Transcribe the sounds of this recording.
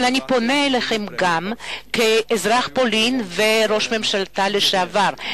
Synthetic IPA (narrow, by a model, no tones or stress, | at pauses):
lanipo̞neːleχemɡamkeːzʁaχpolinveɾo̞ʃmemʃalt̪aleʃeavaʁ